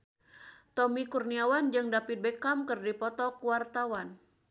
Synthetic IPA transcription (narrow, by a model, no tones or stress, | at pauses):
t̪ɔmikurniawand͡ʒɨŋdapit̪̚bekamkɨrdipɔt̪ɔkuwart̪awan